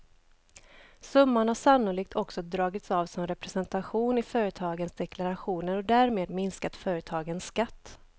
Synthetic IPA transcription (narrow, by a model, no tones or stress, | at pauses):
sɵmːaɳhaʂanːʊliːk̚t̪ʰɔksɔd̪ɾɑːɡɪt̪sɑːvsɔmɾɛpɾɛsɛnt̪aɧuːnɪfœːɾət̪ʰɑːɡənsd̪ɛkʰlaɾaɧuːnəɾɔd̪æːɾmeːd̪mɪnskat̪fœːɾət̪ʰɑːɡənsːkat̪ː